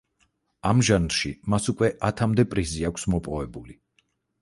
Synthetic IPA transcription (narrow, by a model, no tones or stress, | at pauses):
amʒanɾʃimasukʼwɛʔat̪ʰamd̪ɛpʼɾiziakʷʰsmɔpʼɔvɛbuli